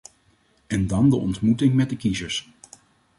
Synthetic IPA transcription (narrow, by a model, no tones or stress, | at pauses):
ɛndɑndəʔɔ̰ntmutɪŋmɛt̚dəkizəɹs